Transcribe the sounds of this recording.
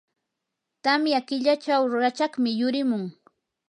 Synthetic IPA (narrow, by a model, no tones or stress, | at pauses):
t̪amjakɪʎat͡ʃawɾʊɾat͡ʃɑχmɪjʊɾɪmʊŋ